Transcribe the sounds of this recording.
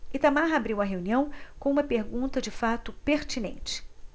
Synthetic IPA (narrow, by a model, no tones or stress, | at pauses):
ɪt̪amaɦabɾiwɐɦeũniɐ̃w̃kõũmɐpeɾɡũnt̪ɐd͡ʒɪfat̪ʊpeɾt͡ʃinḛ̃nt͡ʃɪ̥